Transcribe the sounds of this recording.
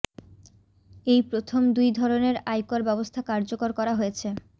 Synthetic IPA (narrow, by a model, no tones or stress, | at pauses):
ejpɾot̪ʰomd̪ujd̪ʱɔɾoneɾajkoɾbɛbost̪ʰakaɾd͡ʑokoɾkɔɾaɦojet͡ɕʰe